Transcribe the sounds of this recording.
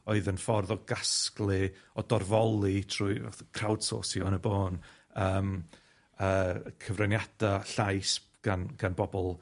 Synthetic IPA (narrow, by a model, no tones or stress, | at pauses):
oɨðənfɔrðɔɡasklˠɨɔdɔrvɔlˠitʰrṵkʰr̥awd̥so̰ːsjɔənəboːnəːm | əːkʰəvrɛnjad̥aɬajs | ɡ̥anɡ̥anbɔbɔlˠ